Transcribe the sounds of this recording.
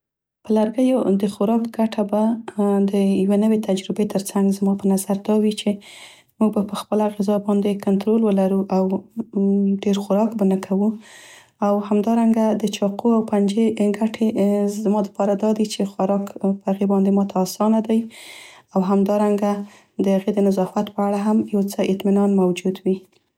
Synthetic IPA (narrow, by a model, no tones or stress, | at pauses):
pəlaɾɡəjod̪əxʊɾɑkɡaʈʰabad̪əjawenəwet̪ʰad͡ʒɾɪbet̪ʰəɾt͡saŋɡzmɑpənazaɾd̪ɑwit͡ʃe | muɡ̚bapəxpəlaɣɪzɑbɑnd̪ekʊnt̪ɾolwəlaɾuʔaw | ɖeɾxʊɾɑkbanəkʰawu | awhamd̪ɑɾaŋɡad̪ət͡ʃɑqʰuawpand͡ʒeɡaʈʰemɑd̪əpɑɾad̪ɑd̪it͡ʃexʊɾɑkpəhaɣebɑnd̪emɑt̪ʰaːsɑnad̪aj | awɦamd̪ɑɾaŋɡa | d̪əhaɣed̪ənazɑfat̪pəaɽaɦamjawt͡səɪt̪minɑnmawd͡ʒud̪wi